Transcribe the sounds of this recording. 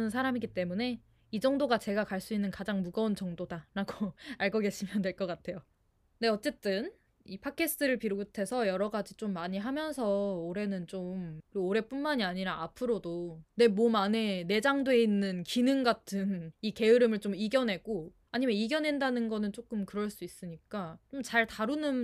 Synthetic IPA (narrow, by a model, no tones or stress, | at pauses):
nɯnsʰaɾamiɡit͈e̞mune̞ | id͡ʑʌŋdoɡat͡ɕe̞ɡakaɭs͈uinːɯnkad͡ʑaŋmuɡʌnt͡ɕʌŋdodaɾaɡoaɭɡʌɡe̞ɕʰimjʌndwe̞ɭk͈ʌk͈atʰe̞jo | ne̞ʌt͡ɕ͈e̞t͈ɯn | ipʰakʰe̞sʰɯ̥tʰɯɾɯɭpiɾoɡtʰe̞sʰʌjʌɾʌɡad͡ʑit͡ɕ͈omːaɲiɦamjʌnsʰʌoɾe̞nɯnt͡ɕ͈omkɯɾoɾe̞p͈unmaɲiaɲiɾaapʰɯɾodone̞mwʌmane̞ne̞d͡ʑaŋdoe̞inːɯnkinɯŋɡatʰɯnike̞ɯɾɯmɯɭt͡ɕ͈omiɡjʌnɦe̞ɡo | aɲimeiɡjʌnɦe̞ndanɯnɡʌnɯnt͡ɕ͈ok͈ɯmkɯɾʌɭs͈uis͈ɯɲik͈at͡ɕomt͡ɕaɭtaɾunɯn